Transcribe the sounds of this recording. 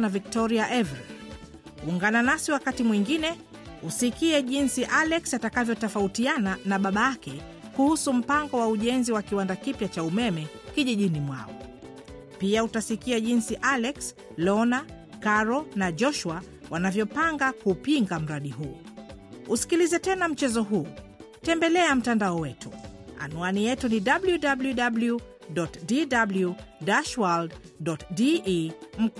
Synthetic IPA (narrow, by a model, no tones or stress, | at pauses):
navik̚tɔɾiaʔɛvɛɾ | uŋɡananasiwakatimwiŋɡinɛ | usikiɛʄinsiʔalɛksatakavjɔtɔfautiananaɓaɓajakɛkuhusum̩paŋɡɔwauʄɛnziwakiwandakipjat͡ʃaumɛmɛ | kiʄiʄinimwa̰ɔ̰ | piautasikiaʄinsiʔalɛks | lɔna | kaɾɔnaʄɔʃwa | wanavjɔpaŋɡakupiŋɡam̩ɾaɗiɦuː | usi̥kilizɛtɛnam̩t͡ʃɛzɔɦuː | tɛmbɛlɛam̩tandaɔwɛtʰṵa̰nuanijɛtuniɗabljudabljuɗablju | ɗɔtdidabljudaʃwalddɔtdim̩